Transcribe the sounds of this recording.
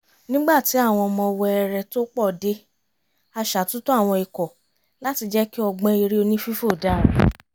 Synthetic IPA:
nĩ˦ɡ͡ba˦˨ti˨˦a˦˨w̃ɔ̃˧mɔ̃˧wɔ˧ɛ˧ɾɛ˧to˦k͡pɔ˦˨de˧˦ | a˧ʃa˨tũ˦to˦a˦˨w̃ɔ̃˧i˧kɔ˨ | la˦ti˧d͡ʒɛ˦ki˦ɔ˧ɡ͡bɔ̃˦i˧ɾi˦o˧nĩ˦fi˦fo˦˨da˦˨ɾ

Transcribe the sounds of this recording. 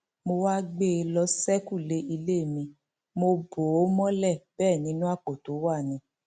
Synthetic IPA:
mo˧wa˦ɡ͡be˦˨˧lɔ˧˦sɛ˦ku˦˨le˧˦ʔi˧le˦˨mĩ˧ | mo˧bo˨o˦mɔ̃˦lɛ˦˨bɛː˦˨nĩ˨˦nũ˦a˦˨k͡po˨to˨˦wa˦˨nĩ˧˦

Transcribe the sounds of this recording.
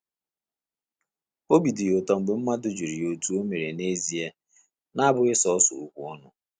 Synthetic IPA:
o˦bi˨di˨ʊ˨tɔ˨ŋ͡m̩˨ɡ͡be˨m̩˦ma˦dʊ˨d͡ʒi˨ɾi˨o˨tu˦o˦me˨ɾe˨ne˦zi˨e˦ | na˦bʊ˨˦ɪ˦sɔ˦ɔ˦sʊ̰˨ṵ˨kʷu˨ɔ˦nʊ˨

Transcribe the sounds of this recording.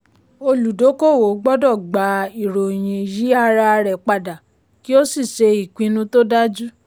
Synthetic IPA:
o˧lu˨do˨˦ko˦˨wo˨˦ɡ͡bɔ˦dɔ˦˨ɡ͡ba˨˦i˨ɾo˨j̃ĩ˧ji˦a˧ɾa˧ɾɛ˨k͡pa˧da˨ | ki˦o˦si˦˨ʃe˧i˨kʷĩ˧nũ˧˦to˦da˦d͡ʒu˦

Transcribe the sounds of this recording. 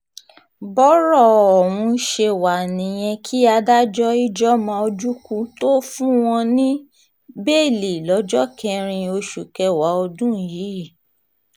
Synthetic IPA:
bɔ˦ɾɔ˦˨ɔ˨wũ˧ʃe˧wa˨nĩ˨j̃ɛ̃˧kʰi˦a˧da˦d͡ʒɔ˦i˦d͡ʒɔ˦mã˧o˧d͡ʒu˦kũ˧to˦fũ˦w̃ɔ̃˧nĩ˦ | be˦˨li˨lɔ˨˦d͡ʒɔ˦kʰɛ˧ɾ̃ĩ˧o˧ʃu˨kɛ˧wa˨˦ɔ˧dũ˦˨ji˨˦˨

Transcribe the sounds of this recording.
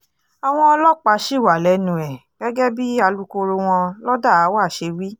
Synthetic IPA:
a˨w̃ɔ̃˧ɔ˧lɔ˦k͡pa˨˧ʃi˦˨wa˨lɛ˨˦nũ˨ɛ˨ɡ̥ɛ˦ɡɛ˦bi˦a˧lu˧˦ko˧ɾo˧w̃ɔ̃˧lɔ˦da˦˨a˨˦wa˦˨ʃe˧wi˦

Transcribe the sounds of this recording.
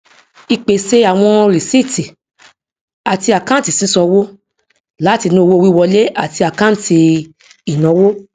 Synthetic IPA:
i˧k͡pe˨se˧˦a˨w̃ɔ̃˧ɾi˨si˦˨ti˨ | a˨ti˧a˨kã˦ti˨sĩ˨˦sɔ˧wo˦ | la˨˦ti˧nĩ˧o˧wo˧˦˧wi˦˧wɔ˧le˦a˨ti˧a˨kã˦ti˧ | i˨nɔ̃˨˦wo˦

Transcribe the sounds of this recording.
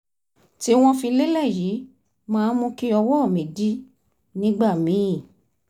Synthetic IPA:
ti˦w̃ɔ̃˦fĩ˧le˦lɛ˦˨jiː˨˦ | mãː˦mũ˧ki˦ɔ˧wɔ˦˨mĩ˨di˦ | nĩ˦ɡ͡ba˦˨mĩ˨˦ĩ˦˨

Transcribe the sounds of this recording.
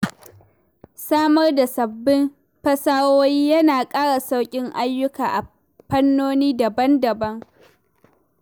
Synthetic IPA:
saː˦mɐ˦rda˨sɐ˨bːɪ˦m | ɸɐ˦saː˦woː˦jiː˦jɐ˦naː˨kʼaː˦ɽa˨sa˦wkʲʼɪ˦ŋʔa˦jːʊ˦kaː˨ʔa˨ | ɸɐ˦nːoː˦niː˦da˨bɐ˦ndɐ˨bɐ˦ŋ

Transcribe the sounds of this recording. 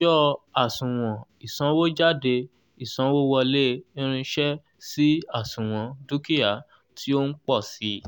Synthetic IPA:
ɔ˦a˨sũ˨w̃ɔ̃˨i˨sã˧˦wo˦d͡ʒa˦˨de˧ | i˨sã˨˧˦wo˦wɔ˧le˦ĩ˦ɾ̃ĩ˧ʃɛ˦ | si˦a˦˨sũ˨w̃ɔ̃˧˦du˦ki˦ja˨˦ | tʰi˦o˦n̩˦k͡pɔ˦˨si˨˦

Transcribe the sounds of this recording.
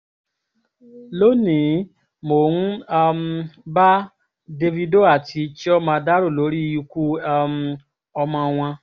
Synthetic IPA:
lo˦nĩ˨˦ | mo˨nu˦m̩˧ba˦ | de˧vi˧do˦a˦˨ti˧t͡ʃi˦ɔ˦mã˧da˦ɾo˦˨lo˨˦ɾi˦˧ju˧ku˦˧m | ɔ˧mã˧w̃ã˧

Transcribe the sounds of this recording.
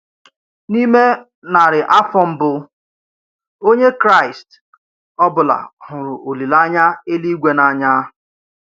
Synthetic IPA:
ni˦me˦ | na˨ɾɪ˨ʔa˦fɔ˦m̩˦bʊ˦ | o˦ɲe˦kɾa˦˨ɪ˨st | ɔ˦bʊ˨la̰˨ɦʊ˨ɾʊ˨ʔo˨li˨la˦ɲa˦e˦li˦ɡʷe˦na˨ɲa˦

